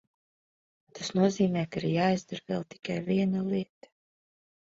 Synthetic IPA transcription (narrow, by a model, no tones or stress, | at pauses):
t̪asnuɔziːmɛːkaiɾjaːjzd̪aɾvɛlˠt̪i̥kajviɛnalˠiɛt̪ḁ